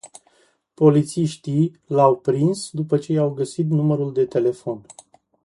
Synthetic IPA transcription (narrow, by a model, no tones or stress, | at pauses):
po̞lit̪siʃt̪i | lawpɾinsd̪upət͡ʃe̞jawɡəsit̪numəɾuld̪e̞t̪e̞le̞fo̞n